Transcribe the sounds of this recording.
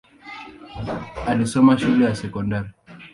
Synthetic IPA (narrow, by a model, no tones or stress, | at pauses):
alisɔmaʃulɛjasɛkɔndaɾi